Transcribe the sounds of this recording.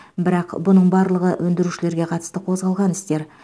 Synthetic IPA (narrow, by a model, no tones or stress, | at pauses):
bɪɾɑqbʊnəɴbɑɾlˠəʁəʔwʔɵnd̪ɪɾuʃɪle̞ɾɡʲe̞qʰɑt̪ə̥st̪əqʰo̞zʁɑlˠʁɑnɪst̪e̞ɾ